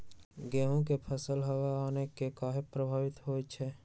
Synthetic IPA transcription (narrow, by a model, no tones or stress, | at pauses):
ɡɛːɦõk̬epʰəsəlɦəwaːnekekaːɦepɾəbʱaːʋɪt̪ɦoːt͡ʃʰɛː